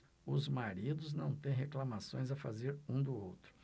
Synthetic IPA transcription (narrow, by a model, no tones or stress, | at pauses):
ʊzmaɾid̪ʊznɐ̃w̃t̪ẽj̃ɦeklamasõj̃zɐfa̰zeɾũd̪ʊowt̪ɾʊ̥